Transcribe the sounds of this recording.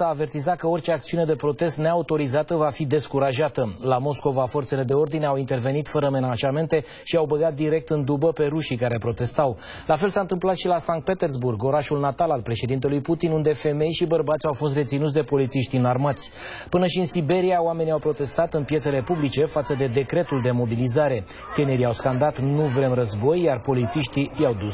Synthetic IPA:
aːve̞rt̪izat̪̚kəorʲt͡ʃeak̚t̪siune̞d̪e̞pɾo̞t̪e̞st̪neaut̪o̞ɾizat̪əvafid̪e̞skuɾaʒat̪əlamo̞sko̞vafo̞rt̪se̞le̞d̪e̞o̞rd̪ineawint̪e̞rve̞nit̪fəɾəme̞naʒame̞nt̪e̞ | ʃiawbəɡat̪̚d̪iɾe̞k̚t̪ɨnd̪ubəpe̞ɾuʃikaɾe̞pɾo̞t̪e̞st̪aw | lafe̞lsaɨnt̪ɨmplat̪ʃilasaŋk̚t̪pe̞t̪e̞rzburɡo̞ɾaʃulnat̪alalpɾe̞ʃe̞d̪int̪e̞lujput̪inund̪e̞fe̞me̞jʃibərbat̪sʲawfo̞s̬t̪resinut̪sʲd̪e̞po̞lit̪siʃt̪iɨnarmat̪sʲ | pɨnəʃiɨnsibe̞ɾiaoame̞niawpɾo̞t̪e̞st̪at̪ɨnpjet̪se̞le̞publit͡ʃe̞fat̪səd̪e̞d̪e̞kɾe̞t̪uld̪e̞mo̞bilizaɾe̞ | t̪eneɾiawskand̪at̪nuvɾe̞mrəzbo̞jːarpo̞lit̪siʃt̪ijawd̪u

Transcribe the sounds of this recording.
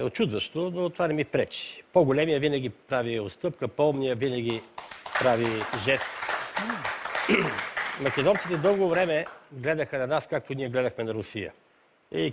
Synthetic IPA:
ɛot͡ʃud̪vəʃt̪onot̪ovanɛmipɾɛt͡ʃi̥poɡolɛmijəvinɐɡʲipɾaviost̪ɤp̚kəpɔlˠmnijəvinɐɡʲipɾaviʒɛst̪ | mɐkɛd̪ɔnt̪sit̪ɛd̪ɤlˠɡovɾɛmɛɡlɛd̪əxənɐnaskak̚t̪oniɛɡlɛd̪ɐxmɛnɐɾʊsijə̰ | i

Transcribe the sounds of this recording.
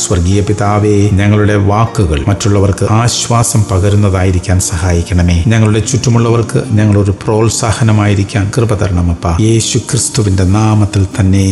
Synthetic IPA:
sʋɐrɡiːjɐpiðaːʋeɲɐŋːɐɭuɽe̞ʋaːkːuɣɐ̰ɭmɐtːuɭːɐʋɐrkɨaːɕʋaːsɐmpɐɣɐɾunːɐðaːjiɾikʲːaːnsɐhaːjikʲːɐɳɐme̞ːɲɐŋːɐɭuɽe̞t͡ɕutːɐmuɭːɐʋɐrkɨ̰ɲɐŋːɐɭo̞ɾupro̞ːlsaːhɐnɐmaːjiɾikʲːaːnkrɨbɐd̪ɐɾɐɳɐmɐpːaːje̞ːɕukrist̪uʋinde̞naːmɐt̪ːilt̪ɐnːe̞

